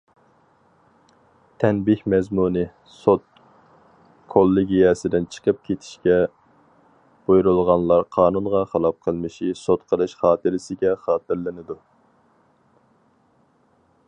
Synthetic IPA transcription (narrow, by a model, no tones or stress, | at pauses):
t̪ʰɛnbɪhʲmɛzmunɨ | sot̪̚ | kʰolˠːɪɡʲijɛsɪd̪ɪnt͡ʃʰə̥qʰəp̚kʲʰet̪ʰɪ̥ʃkʲɛ | b̥ojɾulˠʁɑnlˠɑɾqʰɑːnunʁɑχəlˠɑp̚qʰəlˠmɨʃisot̪qʰəlˠɨʃχɑːt̪ʰɨɾɪsɪɡʲɛχɑːt̪ɨɾlɨnɨd̪u